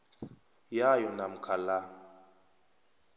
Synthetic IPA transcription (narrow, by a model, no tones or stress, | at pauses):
jajɔnam̩kʰala